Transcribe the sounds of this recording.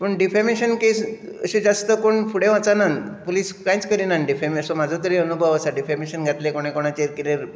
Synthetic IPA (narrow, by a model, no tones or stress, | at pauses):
pəɳɖifemiɕənkes | ə̰ɕed͡zast̪əkoɳfuɽẽʋãt͡sananpoliskãjt͡skəɾinanɖifemiəsɔ̃mad͡zʱɔt̪əɾeənubʱəʋəsaɖifemiɕənɡʱat̪lekoɽ̃ẽkoɽ̃at͡ɕeɾkiɾeɾ